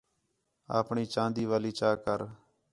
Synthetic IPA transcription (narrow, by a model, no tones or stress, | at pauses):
a̰ːpɳiːt͡ʃãːnd̪iːʋaːliːt͡ʃaːkəɾ